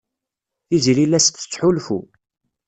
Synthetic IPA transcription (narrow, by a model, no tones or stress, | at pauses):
θizlilæst̪ːə̥t͡sːħulfṵ